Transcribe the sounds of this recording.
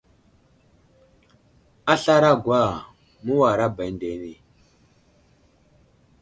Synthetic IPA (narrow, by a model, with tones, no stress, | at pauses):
a˦ɬa˦ɾa˦˨ɡwa˦˨ | mu˦wa˨ɾa˦ba˨˦nde˨ni˨